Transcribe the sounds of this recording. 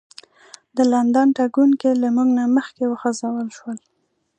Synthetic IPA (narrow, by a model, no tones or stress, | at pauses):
d̪əland̪anʈaɡunkelamuɡnaməxkewəxazawəlʃwəl